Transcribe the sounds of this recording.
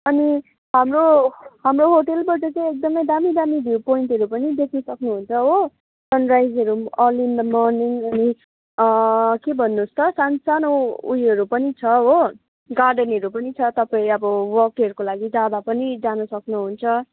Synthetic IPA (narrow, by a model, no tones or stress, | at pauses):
ʌni | ɦamroɦamroɦoʈelbʌt͡sʌt͡sʌ̃jek̚d̪ʌmʌjd̪amid̪amid̪ʱpoiɳʈʌɾupʌnid̪ekʰnʌsʌknuɦunt͡sʰʌɦo | sʌnrajzʌɾuʌlind̪ʌmɔrniŋʌni | kebʱʌnːust̪ʌsansanoujʌɾupʌnit͡sʰʌɦo | ɡarɖʌnʌɾupʌnit͡sʰʌt̪ʌpaĩʌbʌwʌkʌɾukolaɡid͡zad̪apʌnid͡zanʌsʌknuɦunt͡sʰʌ